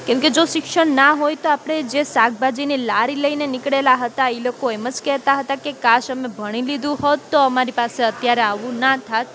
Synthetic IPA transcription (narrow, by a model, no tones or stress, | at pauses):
kɛ̃mked͡ʒoʃɪkʃəɳnaɦojt̪oapəɽ̃ed͡ʒesak̚bad͡ʒinilaɾiləinenikɽelaɦət̪aeilokoemət͡ʃkɛɦt̪aɦət̪akekaʃəmebʱəɽ̃ilid̪ũhot̪ːoəmaɾipaseət̪jaɾeaʋũnat̪ʰat̪̚